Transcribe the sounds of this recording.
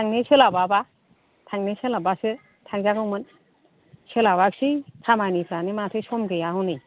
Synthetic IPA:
tʰaŋnisɯlababa | tʰaŋnesɯlabasɯ | tʰaŋzaɡɯwmɯn | sɯlabak̚sitʰamanipʰɾanimatʰɯsɔmɡɯjaɦɔnɯj

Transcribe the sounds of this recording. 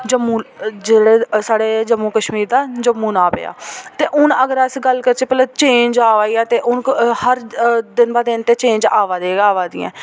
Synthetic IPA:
d͡ʒəmːuːd͡ʒeːɽeːsaːɽeːd͡ʒəmːuːkəʃmiːɾd̪aːd͡ʒəmːuːnaːpḛːa̰ːt̪eːʔʊnəɡəɾəsɡəlkəɾt͡ʃeːpət̪ləb̚t͡ʃẽːɲd͡ʒaːʋaːiːaːt̪eːʔʊnhəɾd̪ɪnbaːd̪ɪnt̪eːt͡ʃẽːɲd͡ʒaːʋaːd̪eːɡaːʋaːd̪ɪ̰ɛ̰̃ː

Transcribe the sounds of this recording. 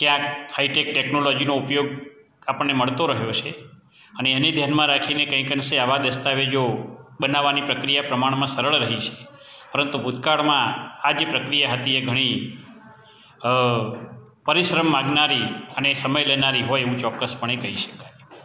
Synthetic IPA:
kjãkhaiʈek̚ʈeknolɔd͡ʒinoupjoɡ̚ | apəɳːeməɭt̪oɾəɦjot͡ʃʰe | əneened̪ʱjanmãɾakʰinekə̃ĩkənseaʋad̪əst̪aʋed͡ʒoɓənaʋːanipɾəkɾijapɾəmaɳmãsəɾəɭɾəɦit͡ʃʰe̥ | pəɾənt̪ubʱud̪kaɭmãad͡ʒepɾəkɾijaɦət̪ieɡʱəɽ̃i | pəɾiʃɾəmːaɡnaɾiənesəməjlenaɾiɦojeʋũt͡ʃɔkːəspəɳ̃ekəɦiʃə̥kaj

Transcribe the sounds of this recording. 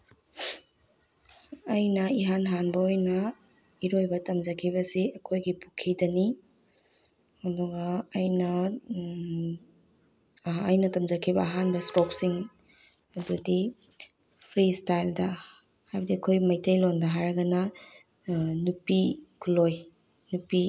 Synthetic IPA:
ɐjnɐiɦanɦanbɐojnɐ | iɾojbɐtɐmd͡ʒɐkʰibɐsiɐkʰojɡipukʰidɐni | ɐdɔɡɐːjnɐ | jnɐtɐmd͡ʒɐkʰibɐːɦanbɐstoksiŋ | ɐdudi | pʰɾistajldɐ | hajbɐdiɐkʰojmɐjtʰejlondɐɦaɾɐɡɐnɐ | nupikʰuloj | nupi

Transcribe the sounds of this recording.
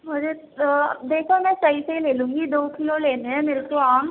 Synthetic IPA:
ɦoɾḛ | d̪eːkʰomɛ̃ːsɐisɐileːlũːŋɡid̪oːkɪloleːneɛ̃meːɾekoaːm

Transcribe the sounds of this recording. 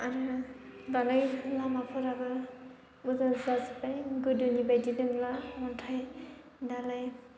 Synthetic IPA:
aɾɯdalajlamapʰɔɾabɯ | uzazazipajɡɯdɯnibajdidɯŋlamɔntʰaj | dalaj

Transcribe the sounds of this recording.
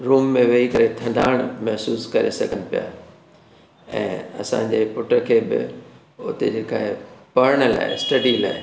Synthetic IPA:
ɾuːmːẽʋɐikɐɾet̪ʰɐ̃ɳɖa̰ːɽ̃mɛɦsuːskɐɾesɐɡʱənɪ̆pija̰ː | ɛ̰̃ːɐ̰sã̰ːɲ̆d͡ʑepʊʈəɾkʰeːbɪ̰ | ʊt̪ed͡ʑeːkaːɦepɐɾəɽ̃əla̰ːɦɪsʈɐɖila̰ːɦɪ

